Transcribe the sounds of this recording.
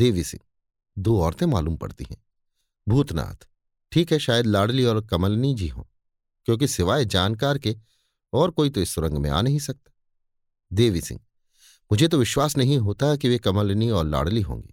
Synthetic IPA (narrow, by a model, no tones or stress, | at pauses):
d̪eːʋisɪ̰̃ŋɡ | d̪oːɔːɾt̪ẽmaːluːmpɐ̰ɽt̪ḭɦɛ̰̃ː | bʱuːt̪na̰ːt̪ʰ | ʈʰiːkɦɛʃaːjəd̪laːɽliɔːɾkɐməlnid͡ʒiɦõ̰ː | kjõːk̬isɪʋaːed͡ʒaːnkaːɾke | ɔːɾkoːit̪oɪsːʊɾə̃ŋɡmḛ̃a̰ːnɐɦĩsɐk̚t̪ḁː | d̪eːʋisɪ̰̃ŋɡ̚ | mʊd͡ʒʱet̪̬oʋɪʃwaːsnɐɦĩɦoːt̪aɦɛk̬iʋekɐməlniɔːɾla̰ːɽliɦõ̰ːŋɡḭː